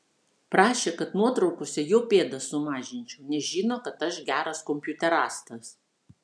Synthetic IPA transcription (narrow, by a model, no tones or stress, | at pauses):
pɾɑːʃʲekɐt̪nuɔt̪ɾɒʊkoːsʲɛjoːpʲeːd̪ɐsʊmɑːʒʲɪnʲt͡ʃʲɛʊnʲɛʒʲiːnoːkɐt̪ɐʃɡʲæːɾɐskɔmʲpʲjʊt̪ʲɛɾɑːst̪ɐs